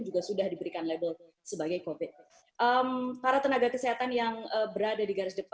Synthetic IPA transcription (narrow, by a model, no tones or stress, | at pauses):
d͡ʒuɡasudahdibəɾikanlebəl | səbaɡajkovɪt̪̚ | ʔəmpaɾat̪ənaɡakəsiɦat̪anjaŋəbəɾadadiɡaɾɪsdəp